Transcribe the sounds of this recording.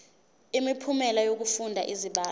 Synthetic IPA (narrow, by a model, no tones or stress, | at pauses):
imipʰumɛlajok̬ufundʱa̰ʔiziɓaː